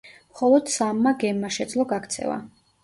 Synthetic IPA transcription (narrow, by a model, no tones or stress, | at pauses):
mχɔlˠɔd̪̥samːaɡɛmːaʃɛd̪zlˠɔɡakʰt̪sʰɛ̰va̰